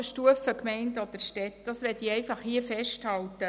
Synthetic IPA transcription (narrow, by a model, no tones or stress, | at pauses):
əʃtuəfəkmɛɪndɔd̥̪əɾʃtɛtd̥ɑsʋɛtiɛɪfɑχhiəfɛʃthɑltə